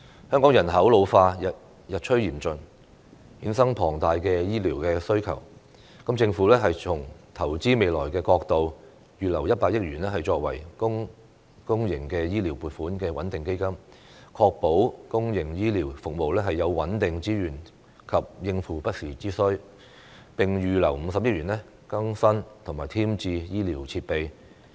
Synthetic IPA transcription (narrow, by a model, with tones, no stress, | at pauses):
hœː˥ŋkɔː˨˥ŋjɐ˨˩nɦɐ˨˥wlo˨˧wfaː˧jɐ˨t̚ | jɐ˨t̚t͡ʃʰɵ˥ɥjiː˨˩mt͡ʃɵ˨n | hiː˨˥nsɐ˥ŋpʰɔː˨˩ŋt̪aː˨jkɛː˧jiː˥liː˨˩wkɛː˧sɵ˥ɥkʰɐ̰˨˩w | kɐ˨˥mt͡sɪ˧ŋfuː˨˥lɛː˥ɦɐ˨jt͡ʃʰʊ˨˩ŋt̪ʰɐ˨˩wt͡siː˥me˨˧jlɔː˨˩jkɛː˧kɔː˧k̚t̪o˨w | jyː˨lɐ˨˩wjɐ˥t̚paː˧k̚jɪ˥k̚jyː˨˩nlɛː˥ɦɐ˨jt͡ʃɔː˧k̚wɐ̰˨˩jkʊ˥ŋ | kʊ˥ŋjɪ˨˩ŋkɛː˧jiː˥liː˨˩wpuː˨t̚fuː˨˥nkɛː˧wɐ˨˥nt̪ɪ˨ŋke˥jkɐ˥m | kʰɔː˧k̚po˨˥wkʊ˥ŋjɪ˨˩ŋjiː˥liː˨˩wfʊ˨k̚mo˨wlɛː˥ɦɐ˨jːɐ˨˧wwɐ˨˥nt̪ɪ˨ŋt͡siː˥jyː˨˩n | kʰɐ˨p̚jɪ˧ŋfuː˨pɐ˥t̚siː˨˩t͡siː˥sɵ˥ɥ | pɪ˨ŋjyː˨lɐ˨˩wm̩˨˧sɐ˨p̚jɪ˥k̚jyː˨˩nlɛ˥ | kɐ˥ŋsɐ˥nt̪ʰʊ˨˩ŋmaː˨˩jt̪ʰiː˥mt͡siː˧jiː˥liː˨˩wt͡sʰiː˧t̚pe˨j